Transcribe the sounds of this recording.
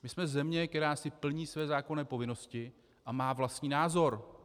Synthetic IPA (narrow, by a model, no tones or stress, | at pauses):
mɪsmɛzɛmɲɛkt̪ɛɾaːsɪpl̩ɲiːsvɛːzaːko̞nɛːpo̞vɪno̞scɪ | ʔamaːvlast̪ɲiːnaːzo̞ɾ